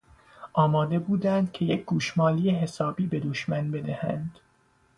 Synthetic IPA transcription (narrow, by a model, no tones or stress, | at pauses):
ʔɒːmɒːd̪e̞buːd̪ænd̪̥cʲʰe̞jecʰɡuːʃmɒːlijeɦe̞sɒːbiːbe̞d̪oʃmænbe̞d̪æhænd̪̥